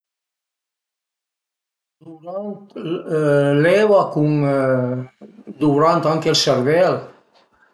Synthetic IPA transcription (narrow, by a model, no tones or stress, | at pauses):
d̪uɾant̪ | lɛβakuŋ | d̪uɾant̪aŋkelsɛɾvɛl